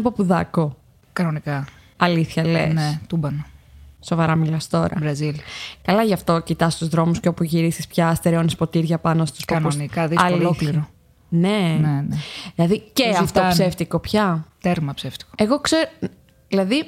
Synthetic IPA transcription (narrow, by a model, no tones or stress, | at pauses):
ipopuðɐko̞ | kɐnonikɐ | ɐliθçɐlḛnset̪ubɐnoso̞vɐɾɐmilɐst̪o̞ɾɐ̰ɾɐzilkɐlɐʝɐft̪o̞cit̪ɐst̪uzðɾo̞musco̞puʝiɾisispçɐst̪eɾeonispo̞t̪iɾʝɐpɐnost̪u̥skoɐnusnikɐðisɐolokliɾo | ne̞neneðilɐðiceɐft̪opseft̪iko̞pçɐt̪eɾmɐpseft̪i̥ko̥eɣo̞kseɾ | ðilɐði